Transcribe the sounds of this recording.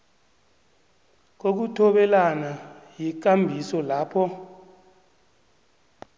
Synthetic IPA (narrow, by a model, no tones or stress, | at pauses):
k̬ok̬utʰɔɓɛlanajik̬ambʱisɔlaːpʰɔ